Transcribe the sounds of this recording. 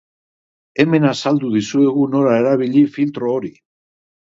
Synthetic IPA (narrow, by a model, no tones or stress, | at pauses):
e̞me̞nasald̪uðisue̞ɣuno̞ɾae̞ɾaβiʎifilt̪ɾo̞ːɾi